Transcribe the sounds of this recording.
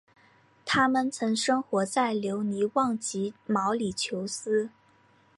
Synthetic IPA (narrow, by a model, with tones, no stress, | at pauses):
t̪ʰa˥mə˨nt͡sʰɤ˧˥ŋʂɤ˥ŋxwɔ˧˥t͡sa˥˩ɪljo˧˥ʊni˧˥wɑ˥˩ŋt͡ɕi˧˥mɑ˧˥ʊli˨˩t͡ɕʰjo˧˥ʊsɹ̩˥